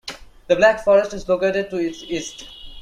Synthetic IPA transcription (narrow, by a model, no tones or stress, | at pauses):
d̪əblækfɔɾəsʈɪzlokeːʈeɖ̚ʈuɪʈsɪsʈ